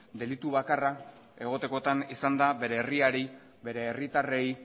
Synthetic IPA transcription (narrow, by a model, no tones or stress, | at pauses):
d̪e̞lit̪uβ̞akara | e̞ɣ̞o̞t̪e̞ko̞t̪anisand̪aβe̞ɾe̞ːriaɾi | be̞ɾe̞ːrit̪are̞j